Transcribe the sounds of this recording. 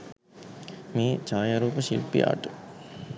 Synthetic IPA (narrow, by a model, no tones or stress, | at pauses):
miːt͡ʃaːjaɾuːpɐʃḭlpːḭa̰ːʈu